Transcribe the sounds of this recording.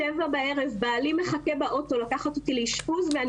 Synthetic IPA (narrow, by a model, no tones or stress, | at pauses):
evabae̞ʁevbaːlime̞χakebaʔo̞to̞lakaχat̪otileiʃpuzvean